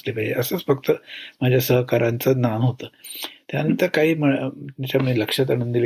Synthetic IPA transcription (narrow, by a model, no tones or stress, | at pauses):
slepajd͡ʑḛʔəsəːt͡sfəkt̪əmad͡ʑʱjasəɦkaɾant͡sənanɦot̪əːt̪janənt̪əɾkaɦiːməat͡ɕamiːləkʂat̪̬aɽ̃ənd̪ile